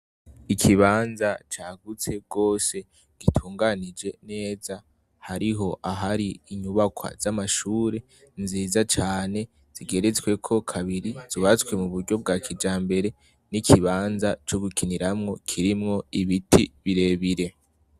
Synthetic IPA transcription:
ikʰiβaːnzat͡ʃaːɡut͡se̞b̚ɡo̞ːse̞ | ɡ̥itʰuːŋɡanid͡ʒe̞ne̞ːza | haɾiɦo̞ʔaɦaɾiiɲuβakwa̰z̥amaʃuːɾe̞ | nziːzat͡ʃaːne̞ | z̥iɡe̞ɾe̞t͡swe̞kʰo̞kʰaβiɾiz̥iβat͡skwe̞muβuɾɟo̞b̚ɡaːkʰid͡ʒaːmbe̞ɾe̞ | nikʰiβaːnzat͡ʃo̞ɡukiniɾamŋo̞kʰiɾimŋo̞iβitʰiβiɾe̞ːβiɾe̞

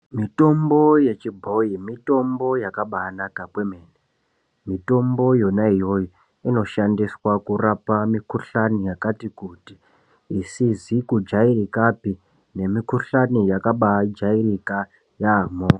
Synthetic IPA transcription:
mito̞mbo̞je̞t͡ʃibʱo̞imito̞mbo̞jakaɓaanakakwe̞me̞ːne | mito̞mbo̞jo̞naijo̞ji | ino̞ʃandiswakurapamikuɬanijakatikutiː | sizikud͡ʒairikapi | ne̞mikuɬanijakaɓad͡ʒairika | jamoː

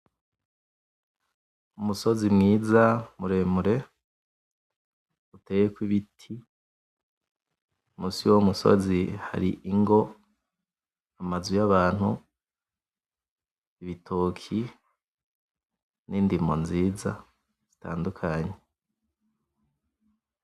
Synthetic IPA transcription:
umuso̞zimŋiːzamuɾe̞muɾe̞ | utejekwiβitʰi | umuːsiwoumuso̞̰ziha̰ɾḭʔiŋɡo̞ | amazujaβaːn̥hu | iβitʰoːkʰi | niːndimonziːza | z̥ita̰ːndukʰaɲe

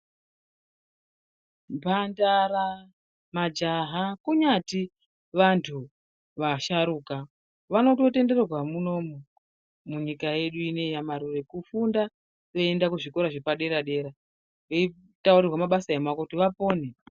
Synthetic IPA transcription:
mbʱandara | mad͡ʒaɦakuɲati | ʋantʰu | ʋaʃaɾuːka | ʋano̞tote̞nde̞rerwamuno̞mo | muɲikaje̞ɗuine̞jamaɾure̞kufunda | ʋeendakuʐiko̞ɾaʐepaɗe̞ɾaɗe̞ɾa | ʋei | taurirwamaɓasaemakokutiʋapo̞ːne

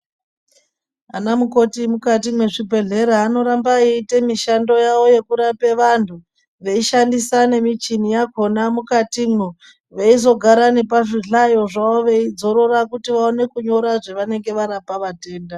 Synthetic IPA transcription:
anamuko̞timukatimweʐibʱe̞ɮe̞ɾaːno̞ɾambaiite̞miʃando̞jaʋo̞je̞kuɾape̞ʋantʰu | ʋe̞iʃandisane̞mit͡ʃinijako̞namukatimwe | ʋeizo̞ɡʱaɾane̞p̬aʐiɮajo̞ʐaoʋe̞id͡zo̞ɾo̞ɾakutiʋaone̞kuɲo̞ɾaʐeʋane̞ŋɡe̞ʋaɾapaʋate̞ːnda

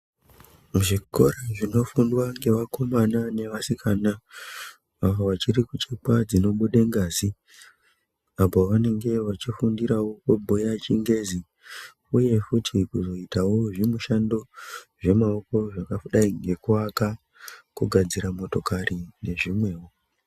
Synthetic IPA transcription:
muʐiko̞̰ɾaʐino̞fundwaŋɡe̞ʋako̞manane̞ʋasikaːna | aʋoʋat͡ʃiɾikut͡ʃepwad͡zino̞ɓuɗeŋɡaːzi | apoʋane̞ŋɡe̞ʋat͡ʃifundiɾawo̞kobʱojat͡ʃiŋɡe̞zi | uje̞futʰikuzo̞itawo̞ʐimuʃandoʐe̞maoko̞ʐakafuɗaiŋɡe̞kuaka | kuɡʱad͡ziɾamo̞to̞karine̞ʐimwe̞ːwo

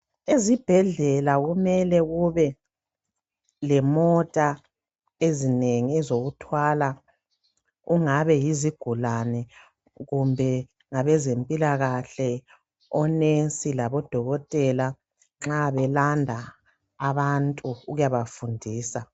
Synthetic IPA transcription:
ezib̥ʱɛɮɛlaɣumɛlɛɣuβɛ | lɛmɔtʼa | ezineŋiɛzoɣutʰwala | uŋaβɛjiziɡ̥ʱulanɛ | ɣumbʱɛ | ŋaβɛzempʼilaɣaɬɛ | ɔnent͡sʼilaβɔd̥ʱɔɣɔtʼɛla | ŋ͡ǁaβɛlandʱaː | βantʼuːɣujaβafundʱiːsa

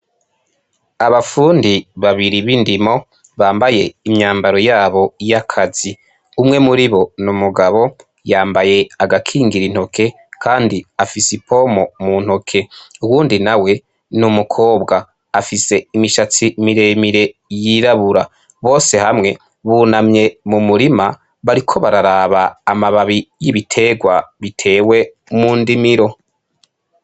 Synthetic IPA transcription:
aβafuːndiβaβiɾiβindimo̞ | βaːmbaje̞imɲaːmbaɾo̞jaːβo̞jakʰazi | umŋe̞muɾiβo̞numuɡaβo̞ | jaːmbaje̞aɡakʰiːŋɡiɾin̥ho̞kʰe̞ | kʰaːndiafisipʰo̞mo̞mun̥ho̞kʰe̞uwuːndinawe̞ | numukʰo̞ːbɡaː | fise̞imiʃat͡simiɾe̞miɾe̞jiɾaβuɾa | βo̞ːse̞hamŋe̞ | βunamɲe̞mumuɾima | βaɾikʰo̞βaɾaɾaβaːmaβaβijiβitʰe̞ːɡwaβitʰe̞ːwe̞ | muːndimiɾo̞

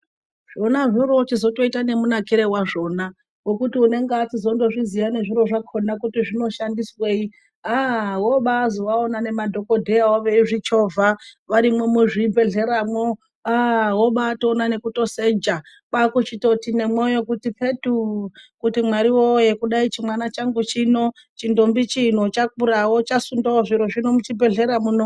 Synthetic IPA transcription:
ʐ̥onaʐiɾo̞t͡ʃizo̞to̞itane̞munakiɾe̞waʐo̞na | wo̞kutiune̞ŋɡeatizo̞ndo̞ʐizijane̞ʐiɾo̞ʐakʰo̞nakutiʐino̞ʃandiswe̞i | awoɓaːzowaonane̞madʱo̞ko̞dʱe̞jawoʋeiʐit͡ʃo̞vʱaʋaɾimomuʐibʱe̞ɮe̞ɾamo̞ | awo̞ɓatonane̞kuto̞se̞d͡ʒa | kakut͡ʃito̞tine̞mwo̞jo̞kutipʰetukutimwaɾiwoje̞kuɗait͡ʃimwanat͡ʃaŋɡut͡ʃino̞ | t͡ʃindombit͡ʃin̤ot͡ʃak̚uɾawot͡ʃasundaoʐiɾo̞ʐino̞mut͡ʃibʱe̞ɮe̞ɾamuno

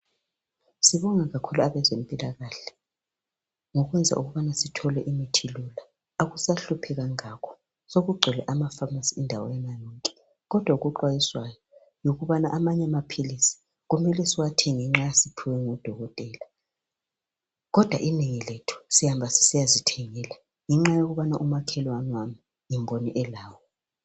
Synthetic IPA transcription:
siβɔŋaɣakʰuluaβɛzem̩pʼilaɣaːɬɛ̥ | ŋɔɣwɛnd͡zʱa̰ʔuɣuβanasitʰɔlɛʔimitʰilula | aɣusaɬupʰɛɣaŋakʰɔ̥ | soɣuɡ͡ǀʱɛlɛ̰ʔamafamasiindʱawɔ̰jɛnanɔŋkʼɛ̥ | ɣɔd̥ʱwauɣuǃwajiswajɔ | joɣuβana̰ʔamaɲɛamapʰilisi̥ | ɣumɛlɛsiwatʰɛŋiŋ͡ǁajasipʰiwɛŋɔd̥ʱɔɣɔtʼɛːla | ɣɔd̥ʱwa̰ʔineŋiletʰu̥sihambʱasi̥sijazitʰɛŋɛːla | ŋɛŋ͡ǁajoɣuβanaʔumakʰɛlwanwami | jimbʱoniʔɛlaːwɔ

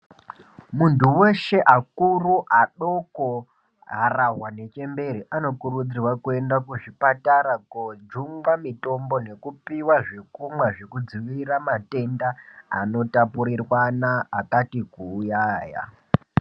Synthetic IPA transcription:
muntuwe̞ʃe̞ʔakuruʔaɗo̞ko | ɦaraɦwane̞t͡ʃe̞mbe̞ɾiʔano̞kurud͡zirwakue̞ndakuʐipataɾakod͡ʒuŋɡamito̞mbo̞ne̞kupiwaʐe̞kumwaʐe̞kud͡ziʋiɾamate̞ndaano̞tapuɾirwanaːkatikuːjaːja̰

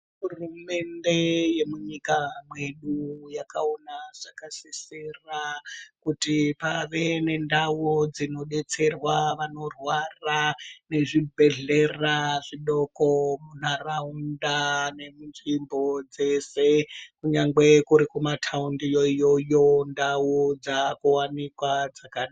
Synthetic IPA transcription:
ɦurume̞nde̞je̞muɲikamwe̞ɗujakaonaʐ̥akasisirakutipaʋe̞ne̞ndawod͡zino̞ɗe̞t͡se̞rwaʋano̞rwarane̞ʐibʱe̞ɮe̞raʐiɗo̞komun̤araundane̞munʐimbo̞d͡ze̞se̞kuɲaŋɡe̞kuɾikumatʰaundijojojo̞ndawud͡zakuwanikwad͡zakana

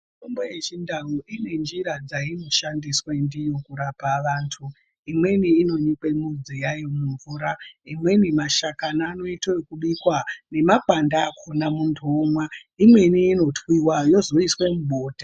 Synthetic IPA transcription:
mitombojet͡ʃindauʔine̞nd͡ʒiɾad͡zaino̞ʃandiswendijo̞kuɾapaʋaːntʰu | imwe̞niːno̞ɲikwe̞mud͡zijajomuɱvuːɾaimwe̞nimaʃakanaːno̞itokuɓikwane̞makwandaːkʰonamundomwaimwe̞niːno̞tʰwiwajo̞zo̞iswe̞muɓo̞ːta

